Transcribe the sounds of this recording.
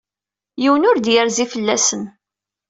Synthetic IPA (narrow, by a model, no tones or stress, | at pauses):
jiwənʊɾd̪jəɾzifəlːæsən